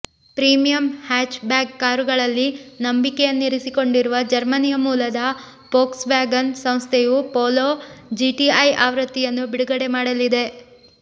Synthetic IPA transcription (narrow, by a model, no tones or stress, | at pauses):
pɾiːmijɐmhaːt͡ʃbaːɡkaːɾuɡɐɭɐlːinɐmbikejɐnːiɾisiko̞ɳɖiɾuʋɐd͡ʒɐɾmɐnijɐmuːlɐd̪ɐ | poːksbaːɡɐnsɐmst̪ʰejupoːloːd͡ʒiʈiɐjaːʋɾɐt̪ːijɐnːubiɽuɡɐɽemaːɽɐlid̪e̞